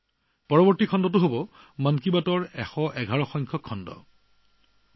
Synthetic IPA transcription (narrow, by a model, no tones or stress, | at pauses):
pɔɹɔbɔɹtikʰɔndɔtʊɦobɔ | mankibatɔɹɛxɔʔɛɡʱaɹɔxɔjŋkʰɔkʰːɔndɔ̰